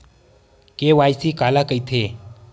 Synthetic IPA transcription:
keʋajsikalakəjt̪ʰe

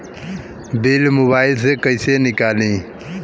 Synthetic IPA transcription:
beːlmoːβaːɪlsekəɪsenɪkaːlĩː

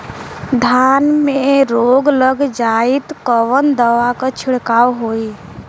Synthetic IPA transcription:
d̪ʱaːnmẽɾoːɡləɡd͡ʒaːit̪kəʋənd̪əʋakat͡ʃʰɪɽkaːwɦoːi

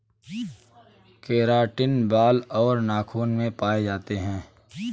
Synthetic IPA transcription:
keːɾaːʈɪnbaːlɔːɾnaːkʰuːnmẽpaːed͡ʒaːt̪eɦɛ̃ː

